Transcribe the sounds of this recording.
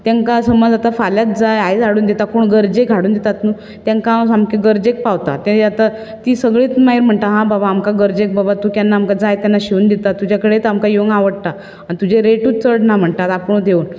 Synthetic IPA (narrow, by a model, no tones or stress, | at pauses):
t̪aŋkasəməd͡zat̪afaljat̪̚d͡zajajd͡zʱaɽuːnd̪it̪akoːɳɡəɾd͡ʑeɡʱaɽuːnd̪it̪at̪nu | t̪jãŋkasamkeɡəɾd͡ʑek̚paʋt̪a̰t̪ɛ̃at̪a | t̪iːsəɡɭiːt̪maɦiɾm̤əɳʈ̪aɦãbabaːmkaɡəɾd͡ʑek̚babat̪ukjanːaːmkad͡zajt̪janːaɕeund̪it̪at̪ːud͡ʑʱakəɽet̪amkajoŋɡaʋəɽt̪a | aɽ̃it̪ud͡ʑeɾeʈuːt͡səɽnam̤əɳt̪at̪apəɳ̃ud̪ʱeun